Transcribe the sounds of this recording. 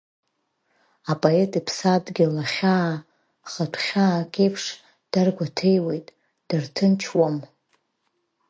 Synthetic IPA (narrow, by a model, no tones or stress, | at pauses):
apʼoe̞tʼipʰsadɡʲɪlaχʲaː | χatʷʰχʲakʲʼejpʰʂ | d̥arɡʷatʰe̞jwe̞jtʼ | d̥artʰɨnt͡ʃʰwam